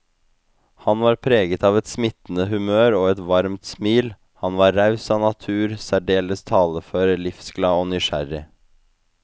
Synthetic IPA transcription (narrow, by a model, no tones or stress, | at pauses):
hɑnʋɑːɾpʰɾeːɡət̪ɑːʋɛt̪smɪt̪n̩əɦʉmøːɾoːɛt̪ʋɑɾmt̪smiːl | hɑnʋɑːɾɾɑʉsɑːnɑt̪ʰʉːɾsæɖeːləst̪ʰɑːləføːɾəlɪfsklɑːoːnʏʃæ̰ɾɪ